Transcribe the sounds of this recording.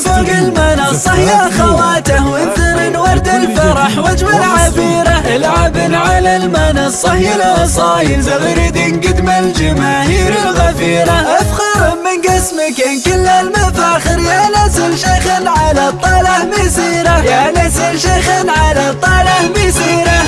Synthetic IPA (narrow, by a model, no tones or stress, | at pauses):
ɑɡɪlmanɑsˤɑħjaʔaxawaːt̪ahwʔɪnt̪amɪnwɑɾˤd̪alfɑɾˤɑħwad͡ʒwalʕabiːɾaʔɪlʕabɪlʕalalmanɑsˤɑħjɪlɑsˤɑːjɪlzaɣɾid̪inɡɪd̪mald͡ʒamaːhiːɾɪlɣafiːɾaʔafxɑɾˤamːɪnɡasmakankɪlːalmafaːxɪɾjanasɪlʃaɣlʕalat̪ˤːɑlɑʔmasiːɾajanasɪlʃaxlʕalat̪ˤːɑlɑmasiːɾa